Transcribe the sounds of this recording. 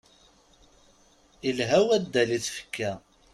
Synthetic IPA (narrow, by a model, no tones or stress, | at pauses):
ilɦæwæd̪ːæliθfə̥kːæ